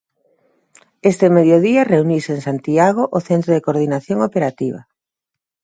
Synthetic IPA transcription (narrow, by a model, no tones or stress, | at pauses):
est̪emeðjoðiɐreuniseŋsant̪iaɣ̞oʔoθent̪ɾoðekoɾð̞inaθjoŋopeɾat̪iβ̞ɐ̰